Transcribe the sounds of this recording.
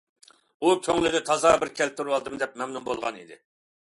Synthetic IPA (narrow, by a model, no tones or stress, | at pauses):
ukʲʰøŋlɪd̪ɪt̪ʰɑzɑbɪɾkʲʰɛlp̚t̪ʰːuɾwɑlˠd̪ɨmd̪ɛp̚mɛmnumbolˠʁɑ̰nḭd̪ɪ̰